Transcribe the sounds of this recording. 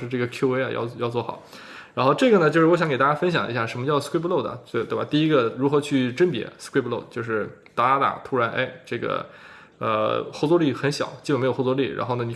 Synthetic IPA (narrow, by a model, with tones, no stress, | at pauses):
ʂɻ̩˥˧ʈ͡ʂɤ˥˩ɡə˩kʰju˥we˥ɪɐ˧jɑ̰˥˧ʊ˧jɑ˥˧ʊt͡swɔ˥˩xɑ̰˨˩˦ʊ | ɻa˧˥nxo˥˧ʊʈ͡ʂɤ˥˩ɡə˩nə˩t͡ɕjʊʂɻ̩˥˩wɕjɑ˧˥ŋkt̪a˥˩t͡ɕja˥fə˥nɕ̬jɑ˨˩ŋʔḭ˧˥ɕja˥˩ʂə˧˥nmə˧t͡ɕjɑ˥˧skwe˥plo˥˩ʊd̪ə̰˩t̪e˥˩t̪we˥˩ba̰˨˩t̪i˥˩i˥ɡə˧ɻu˧˥xɤ˧˥t͡ɕʰy˥˩ʈ͡ʂə˥npjɛ̰˧˥skwe˥˩plo˥˩ʊt͡ɕjo˥˧ʊʂɻ̩˥˩ | t̪a˥˩la˥t̪a̰˨˩t̪ʰu˥ɻa˧˥nʔḛ˥˩ɪʈ͡ʂɤ˥˩ɡə̰˩ | ə̰˧xo˥˧ʊt͡swɔ˥li˥˩xə˧˥nɕjɑ̰˨˩˦t͡ɕi˥˩ə˨˩ne˧˥ɪjo˨˩˥xt͡swɔ˥li˥˩ɻa̰˧˥nxo˥˩ʊnə˩ni˨˩